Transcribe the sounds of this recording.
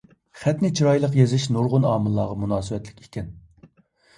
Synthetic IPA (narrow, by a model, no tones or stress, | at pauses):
χɛt̪nɪt͡ʃʰiɾɑjlˠəqjezɪʃnuɾʁʊnɑːmɨlˠːɑːʁɑmunɑːsɨwɛt̪lɪ̥kʲi̥kʲʰɛn